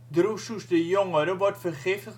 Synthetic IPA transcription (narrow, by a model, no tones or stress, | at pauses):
drususdəjoŋəɾəʋɔtfərχɪftə